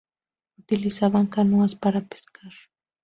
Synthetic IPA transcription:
ʊt̪ɪlɪsaβaŋkanʊaspaɾapɪ̥skʰaɾ

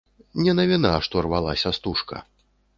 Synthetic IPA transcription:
nʲɛnɐvʲinaʂt̪ɔɐrvalˠasʲɐst̪uʂkɐ̰

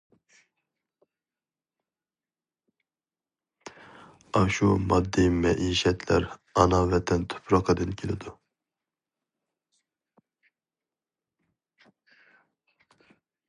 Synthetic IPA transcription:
ɑʃumɑd̪ːimɛʔiːʃɛt̪ʰlæ̰ɾɑnɑvɛt̪ʰɛnt̪ʰø̥pʰɾɑqəd̪ɨnkʲʰelɪd̪u

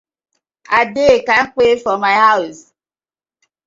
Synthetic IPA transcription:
adekaŋ̩k͡pefɔmaɪɦaʊs

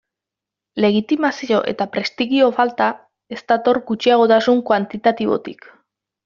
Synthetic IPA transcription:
le̞ɣ̞it̪imasio̞ʔe̞̰t̪apɾe̞st̪iɣio̞falt̪a | e̞st̪at̪o̞ɾɡut͡ʃiaɣ̞o̞t̪asuŋkwant̪it̪at̪iβo̞̰t̪ḭk

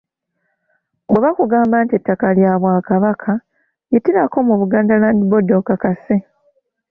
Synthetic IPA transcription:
bweβakuɡaːmbaːntie̞tːakaljaːβwaːkaβakʰa | jitiɾako̞muβuɡaːndalaːndibo̞dokakase

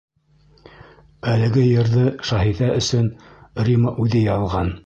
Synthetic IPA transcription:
ælɘ̆ɡɘjɤ̆ɾðɤʃɑhiðæʔɵ̆sɵnrʲiməʔʉðɘjɑlˠʁɑn

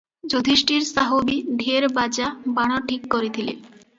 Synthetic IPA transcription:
d͡ʑod̪ʱiʃʈiɾsaɦobiɖ̪ʱeɾbad͡ʑabaɽ̃oʈʰikːoɾet̪ʰilḛ

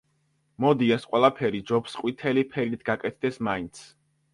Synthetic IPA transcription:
mɔd̪iɛsqʼwɛlˠapʰɛɾid͡ʒɔpsqʼwit̪ʰɛlipʰɛɾit̪ʰɡakʼɛt̪̚ʰd̪ɛsmaint̪sʰ

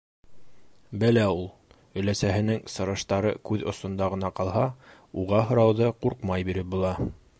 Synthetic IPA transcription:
bɘlæulˠ | ɵ̆læsæɦɘ̆nɘŋsɤ̆ɾɤ̆ʃt̪ɑɾɤkʉðŏsŏnd̪ɑʁɤ̆nɑqɑlˠɦɑ | uʁɑɦŏɾɑwðɤquɾqmɑjbiɾɘp̚bulˠɑ

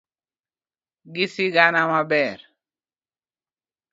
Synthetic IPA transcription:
ɡisiɡanamabɛɾ

